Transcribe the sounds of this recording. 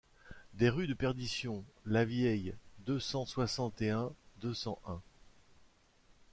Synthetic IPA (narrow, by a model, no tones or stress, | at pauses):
d̪eʁyd̪əpɛʁd̪isjɔ̃lavjɛjd̪øsɑ̃swasɑ̃t̪eɛ̃d̪øsɑ̃ʔɛ̃